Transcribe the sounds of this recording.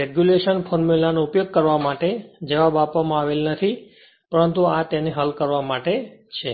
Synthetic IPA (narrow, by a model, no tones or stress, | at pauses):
ɾeɡjuleʃənfʰɔɾmulanoupjoɡ̚kəɾʋamaʈed͡ʒəʋabapʋamãaʋelnət̪ʰi | pəɾənt̪uat̪aneɦəlkəɾʋamaʈet͡ʃʰe